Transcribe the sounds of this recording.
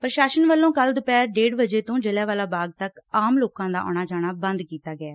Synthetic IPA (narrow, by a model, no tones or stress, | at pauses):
pəɾʃaːʃənʋəlːõːkəld̪ʊpɛːɾɖeːɽbəd͡ʒeːt̪õːd͡ʒəlɛːʋaːlaːbaːɡ̚t̪əkaːmloːkãːd̪a̰ːʔɔ̰ːɽ̃aːd͡ʒaːɽ̃aːbənd̪kiːt̪aːɡɪaː